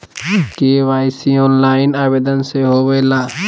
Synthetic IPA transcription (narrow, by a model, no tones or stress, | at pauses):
keʋaːɪsiɔ̃ːnlaːɪnaːbeːd̪ənseɦoweːlaː